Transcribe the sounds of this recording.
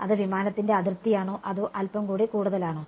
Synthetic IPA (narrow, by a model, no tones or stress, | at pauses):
ɐðɨʋimaːnɐt̪ːinde̞ɐðirt̪ːijaːɳoːʔɐðuʔɐlpɐmkuːɽikuːɽuðɐlaːɳoː